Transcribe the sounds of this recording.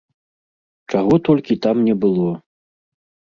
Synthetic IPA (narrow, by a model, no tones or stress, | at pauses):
t͡ʂaɣɔt̪ɔlʲkʲit̪amnʲɛbɨlˠɔ